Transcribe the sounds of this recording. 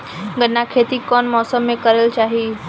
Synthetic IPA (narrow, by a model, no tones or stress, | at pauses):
ɡənːakʰet̪iːkɔnmɔsəmːẽkəɾəlt͡ʃaɦiː